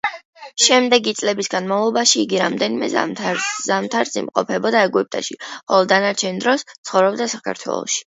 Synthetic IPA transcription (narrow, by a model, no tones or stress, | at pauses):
ʃɛmd̪ɛɡit̪sʼlɛbisɡanmavlˠɔbaʃiːɡiɾamd̪ɛnimɛ̰za̰tʰɾzamt̪ʰaɾsḭmqʼɔ̰pʰɛbɔd̪aɛɡuip̚t̪ʼa̰ʃiχɔlˠɔd̪anaɾt͡ʃʰɛnd̪ɾɔst̪sʰχɔvɾɔbd̪asakʰa̰ɾt̪ʰwɛ̰lˠɔ̰ʃi̥